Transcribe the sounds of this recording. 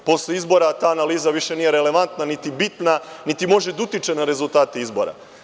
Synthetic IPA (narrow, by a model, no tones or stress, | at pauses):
po̞sleizbo̞ɾat̪aːnaliːzaʋiʃe̞niːjeɾe̞le̞ʋant̪nanit̪ibit̪nanit̪imo̞ʒed̪ut̪it͡ʃe̞naɾe̞zulˠt̪aːt̪eizbo̞̰ɾa̰